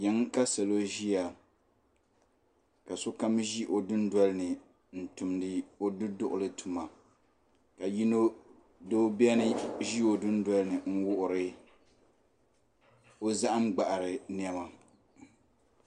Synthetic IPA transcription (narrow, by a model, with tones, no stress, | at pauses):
jɛ˨˦ŋka˦sa˨lo˦ʒi˦ja˨ | ka˨so˦ka˦mʒi˦ʔo˨dʊ˦ndwa˦lnɨ˨ | n̩˨tu˨mdɨ˦o˦du˦dʊ˦ʔʊ̰˨lɨ˦tʰu˨ma˨ | ka˨ji˦no˦ | do˦bɛ˦nɨ˦ʒi˦o˨dʊ˦n˦da˦lɨ˦nɨ˨ŋ̩˦wʊ˦ʔʊ˨ɾɨ˦ | o˦za˦ʔa˦mɡ͡ba˨ʔa˨ɾɨ˨n˦ɛ˦ma˨